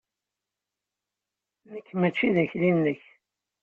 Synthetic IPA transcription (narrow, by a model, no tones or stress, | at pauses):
nəkːmæt͡ʃːiðæçlinːəç